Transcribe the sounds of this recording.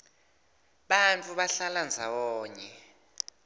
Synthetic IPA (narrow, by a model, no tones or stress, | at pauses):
ɓant͡fʼuɓaɬaland͡zʱawɔːɲɛ